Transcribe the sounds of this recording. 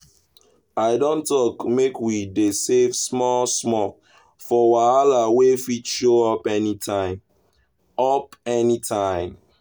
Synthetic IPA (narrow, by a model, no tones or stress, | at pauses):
aɪdõntɔkmekwidesevsmɔlsmɔ | fɔwaalawefit͡ʃʃoɔpɛnitʰãɪ̃m | ɔpɛnitʰãɪ̃m